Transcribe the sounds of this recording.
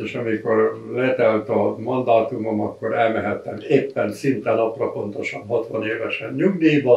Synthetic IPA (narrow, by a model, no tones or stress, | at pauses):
eʃɒmiko̞rlɛt̪ɛlt̪ɒmɒnd̪aːt̪umomɒkːoɾɛlmɛɦɛt̪ːɛmeːpːɛnsint̪ɛnɒprɒpo̞nt̪o̞ʃɒnhɒt̪ʋɒneːvɛʃɛnɲuɡd̪ijbɒ